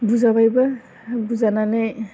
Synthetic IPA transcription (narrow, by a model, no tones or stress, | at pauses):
buzabajba | buzananaj